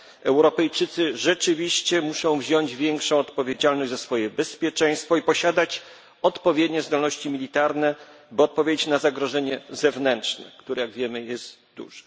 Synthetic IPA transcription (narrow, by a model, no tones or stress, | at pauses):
ɛwɾɔpɛjt͡ʂɘt̪sɘʐɛt͡ʂɘvʲiɕt͡ɕɛmuʂɔ̃w̃vʑɔɲd͡ʑvʲjɛŋkʂɔ̃w̃ɔt̪pɔvʲjed͡ʑalnɔʑd͡ʑzasfɔjɛbɛspʲjɛt͡ʂɛj̃st̪fɔipɔɕad̪at͡ɕ | ɔt̪pɔvʲjed̪ɲɛzd̪ɔlnɔɕt͡ɕimʲilʲit̪aɾnɛ | bɘɔt̪̚pɔvʲjed͡ʑet͡ɕnazaɡɾɔʐɛɲɛzɛvnɛnt͡ʂnɛ̰kt̪uɾɛjaɡvʲjɛmɘjɛzt̪ | d̪ṵʐ̥ɛ̥